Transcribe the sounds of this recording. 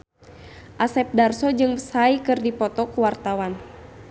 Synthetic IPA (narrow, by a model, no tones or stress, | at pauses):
ʔasɛp̚darsɔd͡ʒɨŋəsaikɨrdipɔt̪ɔkuwart̪awan